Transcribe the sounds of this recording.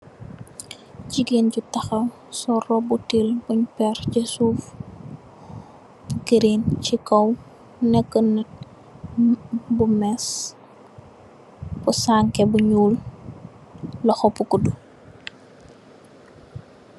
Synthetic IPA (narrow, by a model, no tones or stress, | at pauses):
ɟiɡenɟutɐxɐw | sɔrɔbutilbuɲpɛrcɛsuf | bukiɾint͡ʃikɐw | nɛkːənɐt̚ | bumɛs | busaŋkɛbuɲuːl | lɐxɔpːukudu